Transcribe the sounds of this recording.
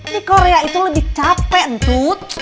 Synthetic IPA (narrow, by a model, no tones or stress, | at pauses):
dikoɾeait̪ulʊdit͡ʃapɛnt̪ut̪̚